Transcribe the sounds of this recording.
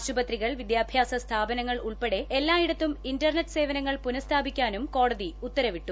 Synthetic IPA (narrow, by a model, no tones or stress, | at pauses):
ɕubɐt̪riɣɐɭʋid̪jaːbʱjaːsɐst̪ʰaːbɐnɐŋːɐɭuɭpeɽe̞elːaːiɽɐt̪ːumindɐrneʈːɨ̥se̞ːʋɐnɐŋːɐɭpunɐst̪ʰaːbikʲːaːnumko̞ːɽɐðiut̪ːɐɾɐʋiʈːu